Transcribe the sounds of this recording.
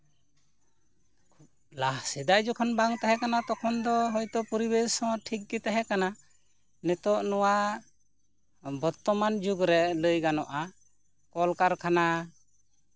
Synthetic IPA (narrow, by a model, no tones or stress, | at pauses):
kʰ | lahsɛd̪ajd͡ʒɔkʰɔnbaŋt̪aɦɛ̃kanat̪ɔkʰɔnd̪ɔɦɔjt̪ɔpɔɾibɛsɔ̃ʈʰik̚ɡit̪aɦɛkana | nɛt̪ɔʔnɔwa | bɔɾt̪ːɔmand͡ʒuɡɾɛʔləjɡanɔʔa | kɔlkaɾkʰana